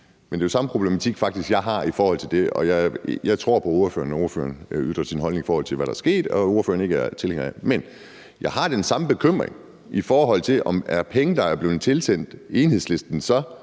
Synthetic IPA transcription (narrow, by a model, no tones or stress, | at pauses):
mend̥e̝josɑ̈məpʰʁo̝b̥lemæt͡sʰiɡ̥fɑ̈ɡ̥̚d̥isɡ̥jɑ̈ɪɦɑ̈ifɒːhɒ̽l̰t͡sʰe̝ld̥e̝ʔɒ̽jɑɪjɑ̈ɪt͡sʰʁo̝ɐ̰pʰɒ̽o̝ːɐfø̰ːɐnɒo̝ːɐfø̰ːɐnyðˠʁɐsinɦɒlne̝ŋifɒːɒ̽l̰t͡sʰe̝lʋæd̥ɾɑ̈ɐsɡ̥e̝̰ːd̥ɒ̽o̝ɐfø̰ːɐn̩e̝ɡ̥əæɐt͡sʰelheŋ̰ɐmen | jɑ̈ɪɦɑ̈d̥ensɑ̈məb̥e̝kʰøm̰ʁḛŋ | ifɒːɦɒ̽l̰t͡sʰe̝lʔɒ̽mæɐpʰeŋəd̥ɑ̈æɐb̥le̝ːt͡sʰe̝lsen̰d̥eːnhe̝sle̝sd̥n̩sɒ̽